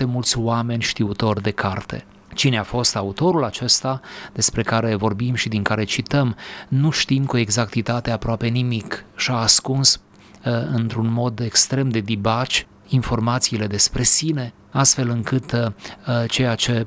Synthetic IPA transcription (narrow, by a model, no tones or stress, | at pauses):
t̪e̞mult̪sʲwame̞nʲʃt̪iut̪o̞rd̪e̞kʰart̪e̞̰ | t͡ʃineafo̞st̪aut̪o̞ɾulat͡ʃe̞st̪ad̪̥e̞spɾe̞kaɾe̞vo̞rbimʃid̪iŋkaɾe̞t͡ʃit̪əmnuʃt̪imkue̞ɡzakt̪it̪at̪e̞apɾoape̞nimikʃaːskuns | ɨnt̪ɾunmo̞d̪e̞kst̪ɾe̞md̪e̞d̪ibat͡ʃ | info̞rmat̪siːle̞d̪e̞spɾe̞sine̞ | ast̪fe̞lɨŋkɨt̪ | t͡ʃe̞jat͡ʃe̞